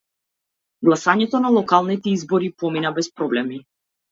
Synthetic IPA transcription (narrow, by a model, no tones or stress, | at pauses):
ɡlˠasaɲɛt̪ɔnalˠɔkalˠnit̪ɛizbɔɾipɔminabɛspɾɔblɛmi